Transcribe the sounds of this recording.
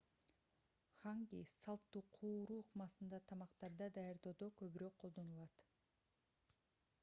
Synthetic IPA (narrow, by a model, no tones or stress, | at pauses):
χaŋɡʲḭjsɑlˠt̪ːuːqʰuːɾuːqmɑsɯnd̪ɑt̪ʰɑmɑqt̪ɑɾd̪ɑd̪ɑjɑɾd̪o̞d̪okøβyɾøk̚qʰo̞lˠd̪o̞nulˠɑt̪